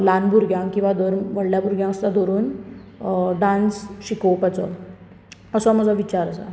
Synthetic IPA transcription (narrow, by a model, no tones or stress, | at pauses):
lanbʱuɾɡʱjãŋkĩw̃ʋad̪ʱɔɾmʋəɽljabuɾɡjãəst̪ad̪ʱoɾuːn | ɖãnsɕikopət͡sɔ̰ | əsɔməd͡zaʋit͡ɕaɾəsa̰